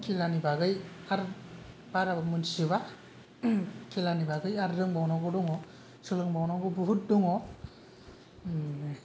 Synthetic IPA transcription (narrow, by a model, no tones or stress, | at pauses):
kilanibaɡɯjaɾ | baɾabamunsɯβa | kilanibaɡɯjaɾːɯŋbawnɔɡɔduŋɔ | sɯlɯŋbawnɔɡɯbuɦut̚duŋɔ